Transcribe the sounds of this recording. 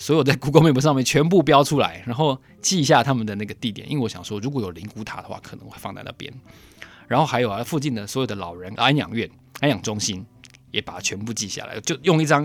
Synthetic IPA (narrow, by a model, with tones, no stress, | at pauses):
swɔ˧˥jo˨˩ʊt͡sa˥˩ɪku˧˥ko˧˥ʊme˨˩mwɔ˧˦ʂɑ˥˧mjɛ˥˨nt͡ɕʰɥɛ˧˥np̬u˥˩pjɑ˥ʊʈ͡ʂʰu˥la̰˧˦ɪɻa˧˥nxo˥˧ʊ | t͡ɕi˥˧ɕ̬ja˥˩t̪ʰa˥mə˨nd̪ə˩na˥˩ɡə˩t̪i˥˩jɛ̰˨˩nʔi˥nwe˥˩wɔ˧˦ɕjɑ˨ŋʂwɔ˥ɻu˧˥k̬wɔ˧˥jo˨˩li˧˥ŋku˧˥t̪ʰa̰˨˩d̪ə˦xwa̰˥˩kʰɤ˨˩nɤ˧˦ŋxwe˥˧ɪfɑ˥˧ŋt̪a̰˥ɪt̪ə̰˥˩pjɛ̰˥n | ɻa˧˥nxo˥˩ʊxa˧˥ɪjo˨˩ʊ˧˦fu˥˧t͡ɕi˥˩nd̪ə˩swɔ˦˥jo˨˩d̪ə˦lɑ˨˩ʊɻə˧˦na˥njɑ̰˨˩ŋɥɛ˥˩n | a˥njɑ˨˩ŋʈ͡ʂʊ˥ŋɕi˦njɛ˨˥pa˨˩a˥t͡ɕʰɥɛ˧˦˥npu˥˧t͡ɕi˥˧ɕja̰˥˩lʔa̰˧˦ɪt͡ɕjo˥˧ʊjʊ˥˧ŋi˥˩ʈ͡ʂɑ˥ŋ